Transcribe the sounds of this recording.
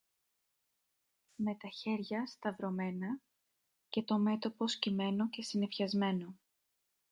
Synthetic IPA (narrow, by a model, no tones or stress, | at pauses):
me̞t̪ɐçe̞ɾʝɐst̪ɐvɾo̞me̞nɐ | ce̞t̪o̞me̞t̪o̞po̞scime̞no̞ce̞sine̞fçɐzme̞no̞